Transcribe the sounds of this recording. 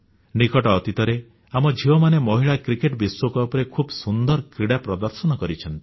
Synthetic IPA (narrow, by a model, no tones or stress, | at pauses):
nikɔʈɔːt̪it̪ɔɾe | amɔd͡ʒʱiwɔmanemɔɦiɭakɾikeʈbiswokɔpɾekʰubsund̪ɔɾkɾiɽapɾɔd̪ɔɾsɔnɔkɔɾit͡ʃʰɔnt̪i̥